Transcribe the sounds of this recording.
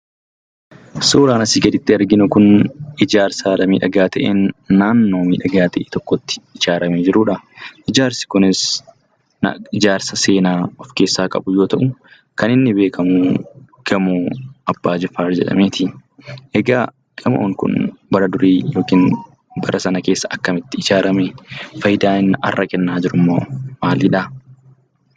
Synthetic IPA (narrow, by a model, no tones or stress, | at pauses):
suːɾaːnɐsiːɡɛd̪ɪt̪ːɪɐɾɡɪnʊkʊnɪd͡ʒaːɾsaːᶑɐmiːᶑɐɡaːt̪ɐʔḛːnːaːnːo̞ːmiːᶑɐɡaːt̪ɐʔeːt̪ɔkːɔt̪ːɪ̥ɪd͡ʒaːɾɐmeːd͡ʒɪɾuːᶑɐʔɪd͡ʒaːɾsɪ̥kʊnɪs | n̰ɪd͡ʒaːɾsɐse̞ːnaːɔfke̞ːsːaːkʼɐ̰bʊjoːt̪ɐʔʊ | kɐnɪnːɪbe̞ːkʰɐmuː | ɡ̥ɐmoːɐbːaːd͡ʒɛfaːɾd͡ʒɛ̰ᶑɐ̰meːt̪ʰɪʔɛɡaː | ɡ̥ɐmo̰ːŋkʊ̰nbɐɾɐd̪ʊɾiːjo̞ːkiːn | bɐɾʔɐsɐnɐke̞ːsːɐɐkːɐmɪt̪ːɪɪd͡ʒaːɾɐmɛfɐjɪd̪aːɪnːɐʔɐ̰rːʔɐkʼɛnːaːd͡ʒɪɾʊmːoːmaːlɪᶑaː